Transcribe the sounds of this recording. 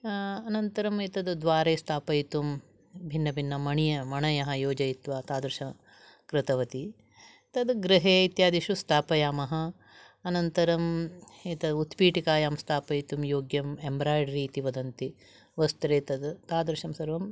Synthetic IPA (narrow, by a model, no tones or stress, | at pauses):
ɐnɐnt̪ɐɾɐmit̪ɐd̪d̪ʋaːɾeːst̪ʰaːpɐjt̪um | bʱinːɐbʱinːɐmɐɳijɐmɐɳɐjɐɦɐ̆joːd͡ʒɐjit̪ʋaːt̪aːd̪ɾɨʃɐ | kɾɪt̪ɐʋɐt̪i | t̪ɐd̪ɡɾɪɦeːit̪jaːd̪iʃust̪ʰaːpɐjaːmɐɦɐ̆ː | nɐnt̪ɐɾɐmet̪ɐd̪ut̪piːʈikaːjaːmst̪ʰaːpɐjt̪umjoːɡjɐmembɾaːjɖɾiːt̪iʋɐd̪ɐnt̪i | ʋɐst̪ɾeːt̪ɐd̪t̪aːd̪ɾʃɐmsɐɾʋɐm